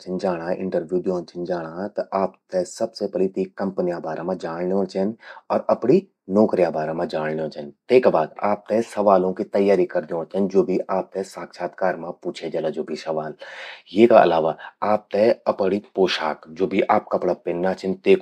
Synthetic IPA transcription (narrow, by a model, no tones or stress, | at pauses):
t͡ʃʰɪnd͡ʒaːɽ̃aʔɪ̰̃ɳʈəɾbjuːdoːnt͡ʃʰɪnd͡ʒaːɽat̪ɐʔaːpt̪ɛsɐbsepɛlit̪ikɐ̃mpnijabaːɾamãd͡ʒaːɽneõt͡ʃʰɛnɔːɾɐpɽi | nɔːkɾijabaːɾamãd͡ʒaːɽneõt͡ʃʰənt̪eːkbaːd̪a̰ːp̚t̪ɛsɐʋaːlõkit̪ɐjːaːɾikɐɾd̪iõt͡ʃʰənd͡ʒoːbʱiʔaːp̚t̪ɛsaːkʃaːt̪kaːɾmãpuːt͡ʃʰed͡ʒɐlad͡ʒoːbʱisɐʋaːljeːkaɐ̰laːʋaaːp̚t̪ɛɐpɽipoːʃa̰ːkd͡ʒoːbʱiʔaːp̚kɐpɽapɪnːat͡ʃʰɪnt̪eːk